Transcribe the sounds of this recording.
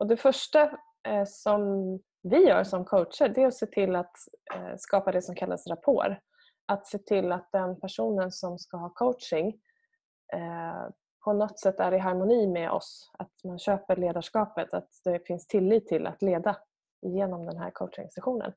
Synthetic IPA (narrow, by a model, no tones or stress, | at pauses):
ɔd̪ɛfœʂʈa | sɔm | vɪjœ̰ːɾsɔmkʰoʊtʂəɖɛæɾɔseːt̪ʰɪlːat̪skɑːpad̪ɛsɔmkʰalːʔa̰sɾapʰo̰ːɾ | at̪seːt̪ʰɪlːat̪̚d̪ɛnpʰæʂuːnənsɔmskaɦɑːkʰoʊtʂɪŋ | pʰɔnɔt̪sɛt̪ːæɖɪɦaɾmʊniːmɛʔɔ̰sat̪manɕøːpəɭeːd̪aʂkɑːpət̪ʰat̪d̪̥ɛfɪnst̪ʰɪlːiːt̪ʰːɪlʔa̰t̪leːd̪a | ɪjeːnɔmd̪ɛnɦæ̰ɾkʰoʊʂɪ̰ŋsɛɧuːnə̰n